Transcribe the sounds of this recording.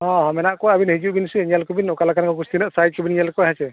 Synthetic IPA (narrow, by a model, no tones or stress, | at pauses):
ɔ̃hɔmɛnaʔkɔabinhid͡ʒuʔbinsuɛnjalkɔbinɔkalakankɔɡust̪inəʔsajt̚kɔbinijalkɔjɦat͡ʃɛ